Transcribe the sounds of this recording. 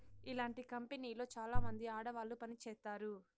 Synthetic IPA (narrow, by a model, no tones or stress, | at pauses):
ilaːɳʈikɐmpeniːlo̞ːt͡ʃaːlaːmɐnd̪iaːɽɐʋaːlːupɐnit͡ʃɛːst̪aːɾu